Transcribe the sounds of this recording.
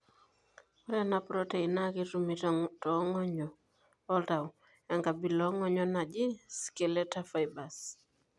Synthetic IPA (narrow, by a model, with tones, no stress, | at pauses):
ɔ˦ɾɛ˦na˦pɾɔ˦te˨i˨na˦ki˦ɾu˨mi˨ttɔ˦ŋɔ˦ɲɔ˨ | ɔ˦lta˨w | ɛ˨ŋɡa˨bi˨lɔ˦ŋɔ˦ɲɔ˦na˨d͡ʒɪ˦ske˨lɛ˦ta˦fa˨jba˨s